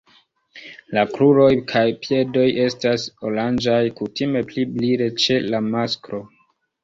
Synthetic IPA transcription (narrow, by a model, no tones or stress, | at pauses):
lakɾuɾo̞jkʰajpje̞do̞jʔe̞staso̞land͡ʒajkutime̞plibliɾe̞t͡ʃe̞lamaskɾo̞